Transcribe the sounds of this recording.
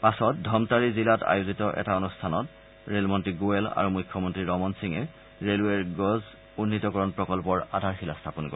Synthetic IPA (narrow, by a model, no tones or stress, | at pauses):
pasɔt̚dʱɔmtaɹizilata̰juzitɔʔɛ̰taɔnustʰanɔt | ɹelmɔntɹiɡuela̰ɹumujkʰːɔmɔntɹiɹɔmɔnsiŋɛ | ɹeluɛɹɡɔz | unːitɔkɔɹɔnpɹɔkɔlpɔɹadʱaɹxilastʰapɔnkɔɹ